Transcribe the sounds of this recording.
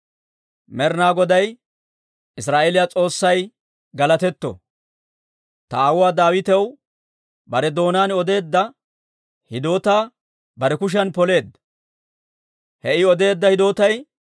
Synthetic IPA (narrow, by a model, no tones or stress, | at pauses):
mɛɾnaːɡɔd̪ɐj | ɪs̬ɾaːʔelɪjat͡sʼo̞ːsːɐj | ɡɐlɐt̪ɛt̪ːɔ̰ | t̪ɐːwʊwaːd̪aːwɪt̪ɛw | bɐɾɛd̪o̞ːnaːnɔd̪e̞ːd̪ːɐ | hɪd̪o̞ːt̪aː | bɐɾɛkʊʃ̬ɐnpɔle̞ːd̪ːɐ | hɛʔɪɔd̪e̞ːd̪ːɐhɪd̪o̞ːt̪ɐj